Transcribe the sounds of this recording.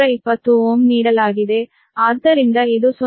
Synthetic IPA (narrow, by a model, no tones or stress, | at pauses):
ɐɪpːɐt̪ːuomniːɽɐlaːɣɪðe | aːɾt̪ɐɾɪŋɡɐɛðɯsɔ